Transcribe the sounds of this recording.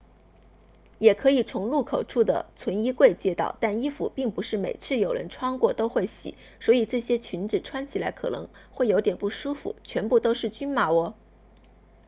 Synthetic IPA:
jɛ˨˩kʰɤ˧˥i˨˩t͡sʰʊ˧˥ŋlu˥˩kʰo˨˩ʊʈ͡ʂʰu˥˩d̪ə̰˩t͡sʰwə˧˥ni˥kwe˥˩ɪt͡ɕjɛ˥t̪ɑ˥˩ʊt̪a˥˩ni˥fu˨˩pi˥˩ŋpu˧˥ʂɻ̩˥˩me˨˩ɪt͡sʰɹ̩˥˩jo˨˩ʊɻə̰˧˥nʈ͡ʂʰwɑ˥ŋkwɔ˥˩t̪o˥ʊxwe˥˩ɪɕḭ˨˩˦ | swɔ˧˥i˨˩ʈ͡ʂɤ˥˩ɕjɛ˥t͡ɕʰy˧˥nʈ͡ʂɻ̩˨˩ʈ͡ʂʰwa˥nt͡ɕʰi˨˩la˧˥ɪkʰɤ̰˨˩nɤ̰˧˥ŋxwe˥˩ɪjo˧˥ʊt̪jɛ˨˩npu˥˩ʂu˥fṵ˧˩t͡ɕʰɥɛ˧˥npu˥˩t̪o˥ʊʂɻ̩˥˩t͡ɕy˥nma˧˩wɔ˧˥

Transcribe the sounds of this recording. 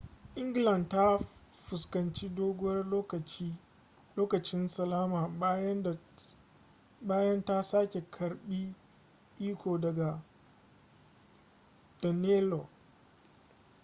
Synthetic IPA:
ʔɪ˦ŋɡlɐ˨ndta˦ | ɸʊ˨skɐ˨nt͡ʃi˦doː˦ɡʊ˦wɐ˦ro˦kɐ˨˦ | loː˦kɐ˨t͡ʃɪ˦nsɐ˨laː˦maː˨˦˨ | baː˦jɐ˦nta˦saː˦kʲe˨kʰɐ˨ɾɓiː˦ | ʔiː˦kʰʷoː˨dɐ˨ɡa˨ | d̥ɔ˨ne˦lo˨

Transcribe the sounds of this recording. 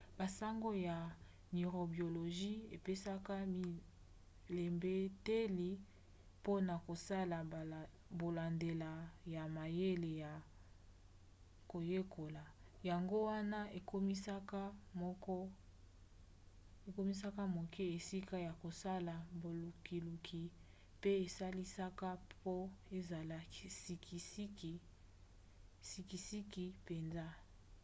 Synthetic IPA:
ba˨sa˦ŋɡo˦ja˨ | ni˨ʁo˨bjo˨lo˨ʒi˦e˨pe˦sa˦ka˦mi˨ | le˨mbe˦te˦li˨ | po˦na˨ko˨sa˦la˨ | bo˨la˨nde˨la˨ja˨ma˨je˦le˨ja˨ | ko˨je˦kʰo˨la˨ja˨ŋɡo˦wa˦na˦e˨ko˦mi˦sa˦ka˦mɔ˦kɔ˦ | e˨ko˦mi˦sa˦ka˦mo˨kʰɛ˦e˨si˦ka˦ja˨ko˨sa˦la˨bo˨lu˨ki˨lu˨kʰi˨ | pe˦e˨sa˦li˦sa˦ka˦po˦e˦za˨la˦i˦si˦ki˨si˦ki˨ | si˦ki˨si˦ki˨pe˨nza˦

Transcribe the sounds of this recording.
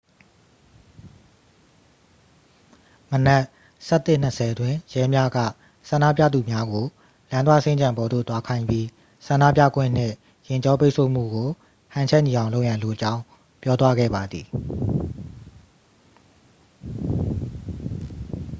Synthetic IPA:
mənɛ˦˨ʔ | sɛ˦ʔt̪ːɪ˦˨n̥əsʰɛ˨dwɪ̃˨jɛ˦mja˦ɡä̰˦˨ | sã˨nda̰˦˨p̬ja̰˦˨d̪u˨mja˦ɡo˨ | lã˦nd̪wa̰˦˨sẽ˦ɲd͡ʑã˨mbɔ˨d̪o̰˦˨t̪wa˦kʰã˦ɪ̃mpji˦ | sã˨nda̰˦˨pjä̰˦˨ɡwɪ̰̃˦˨n̥ɪ̰̃˦˨ | jɪ̃˨ɲt͡ɕɔ˦p̬e˦ɪʔsʰo̰˦˨m̥ṵ˦˨ɡo˨ | hã˨ɲt͡ɕʰɛ˦ʔɲi˨ã˨lo˦ʊjã˨lo˨ʔət͡ɕã˦ʊ̃ | pjɔ˦t̪wa˦ɡɛ̰˦˨ba˨d̪ði˨

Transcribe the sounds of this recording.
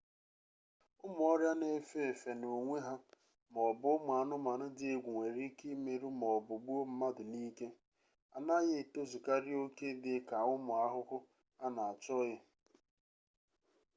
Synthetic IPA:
ʊ˦mʊ˨˦ɔ˦ɾja˦ne˨˦fe˦e˨fe˨no˨ŋʷe˦ɦa˦ | mɔ˨bʊ˦m˨a˨nʊ˦ma˨nʊ˦dɪ˦ɡʷu˨ŋʷe˨ɾi˦ki˦me˨ɾu˦mɔ˨bʊ˨ɡ͡bu˦o˦m̩˦ma˦dʊ˨ni˦ke˦ | a˨na˦ɣe˦˨to˦zʊ˨ka˦ɾɪ˦o˦ke˦dɪ˨˦ka˨ʊ˦mʊ˨a˦ɦʊ˦kʊ˦ | a˦na˨a˨t͡ʃɔ˦ɣɪ˦

